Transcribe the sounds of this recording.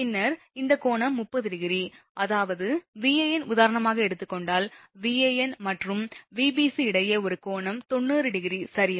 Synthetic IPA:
pɪnːɐɾ | ɪnd̪ɐkoːɳɐmːʊpːɐðɪɽɪɣɪɾi | ʔɐðaːʋɐðɯʋiːejɛnʊðaːɾɐɳɐmaːɣɐɛɽɯt̪ːɯkːɔɳɖaːlʋiːejɛnmɐʈrɯmʋiːbiːsiɪɽɐjɐɔɾɯkoːɳɐmt̪ɔɳːɯːɾɯɽɪɣɪɾisɐɾɪja

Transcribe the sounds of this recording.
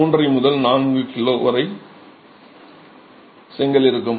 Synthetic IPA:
uːndrɐɪmʊðɐlnaːnɡɯkɪloːʋɐɾɐɪ | sɛŋɡɐlɪɾɯkːɯm

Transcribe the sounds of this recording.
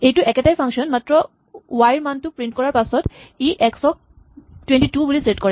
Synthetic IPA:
ejtuʔɛkeʈajpʰaŋʃɔnmatɹɔ | wajɹmantupɹiɳʈkɔɹaɹpasɔt̪iʔɛksɔk̚ | twenʈituboliseʈkɔɹɛ

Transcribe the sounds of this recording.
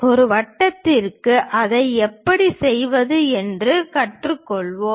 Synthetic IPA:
ɔɾɯʋɐʈːɐt̪ːɪrkːɯʔɐðɐɪɛpːɐɽisɛjʋɐðɯɛndrɯkɐʈrɯkːɔɭʋo

